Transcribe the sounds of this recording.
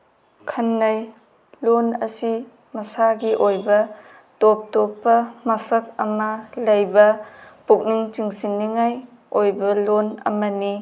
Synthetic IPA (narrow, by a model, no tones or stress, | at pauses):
kʰɐnːɐj | lonɐ̰si | mɐsaɡiʔojbɐ | top̚topːɐmɐsɐk̚ɐmɐlɐjbɐpuk̚niŋt͡ʃiŋsinːiŋaj | ojbɐlonɐ̰mɐni